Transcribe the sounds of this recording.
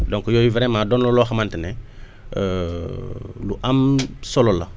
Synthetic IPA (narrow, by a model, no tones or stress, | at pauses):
dõŋkjojiveɾemadonloloxamantene | luʔamsolola̰